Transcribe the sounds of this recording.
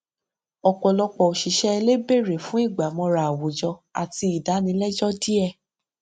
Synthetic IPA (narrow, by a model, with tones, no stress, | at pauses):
ɔ˨k͡pɔ˨lɔ˧k͡pɔ˨o˨ʃi˨ʃɛ˦˧le˦be˦˨ɾe˨fũ˨˦i˦˨ɡ͡ba˨mɔ̃˧ɾa˨wo˨d͡ʒɔ˧a̰˨ti˧i˨da˨˦nĩ˧lɛ˦d͡ʒɔ˦di˦ɛ˦˧˨